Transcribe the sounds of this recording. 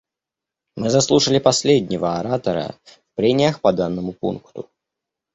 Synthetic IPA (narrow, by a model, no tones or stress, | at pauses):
mɨzɐslˠuʂəlʲɪpɐsʲlʲedʲnʲɪvəɐɾat̪əɾə̰fpɾʲenʲɪjəxpɐd̪anːəmʊpṵnkt̪ʊ